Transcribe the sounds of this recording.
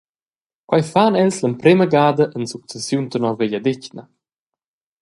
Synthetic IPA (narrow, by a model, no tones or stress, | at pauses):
kwajfaːnɛlsləmpɾeməɡaːd̪əʔənsuk̚sɛsjunt̪ənɔɾveʎad̪ɪcnɐ